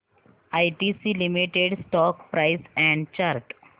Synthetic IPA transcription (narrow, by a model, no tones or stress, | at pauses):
ajʈisilimiʈeɖsʈɔkpɾaɪsɛ̃ɳɖt͡ɕaɾʈ